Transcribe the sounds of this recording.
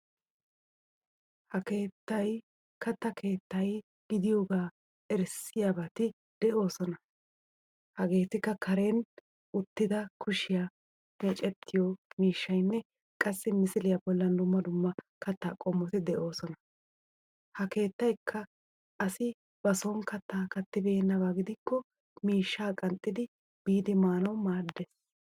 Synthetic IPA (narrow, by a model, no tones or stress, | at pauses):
hɐke̞ːt̪ːɐj | kʰɐt̪ːɐkʰe̞ːt̪ːɐj | ɡ̥ɪd̪ɪjoːɡaː | ɛɾsɪjaːbɐt̪ɪ | d̪̥ɛʔo̞ːsɔnɐ | hɐɡe̞ːt̪ɪkːɐkʰɐɾeːn | ʊt̪ːɪd̪ɐkʰʊʃɪja | meːt͡ʃʼɛt̪ʰːɪjɔmiːʃːɐjnːɛ | kʼɐsːɪmɪsɪlɪjɐbɔlːɐnd̪ʊmːɐd̪ʊmːɐkɐt̪ːaːkʼɔmːɔt̪ɪd̪ɛʔo̞ːsɔnɐ | hɐke̞ːt̪ːɐjkʰːɐ | ʔːsɪ | bɐsoːnkɐt̪ːaːkɐt̪ːɪbe̞ːnːɐbaːɡɪd̪ɪkːɔ | miːʃːaːkʼɐnt̪ʼːɪd̪ɪ | b̥iːd̪ɪmaːnɐwmaːd̪ːes